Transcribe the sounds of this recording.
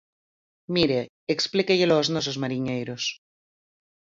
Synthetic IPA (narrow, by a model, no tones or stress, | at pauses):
miɾe | eksplikeʎeloːznos̬ozmaɾiɲejɾos